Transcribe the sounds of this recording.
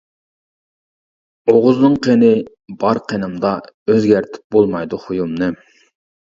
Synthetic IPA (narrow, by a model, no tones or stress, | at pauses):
oʁʊznɨŋqʰenɪ | bɑɾqʰenɨmd̪ɑøzɡʲæɾt̪ʰɪ̥p̚bolˠmɑjd̪uχujumnɨ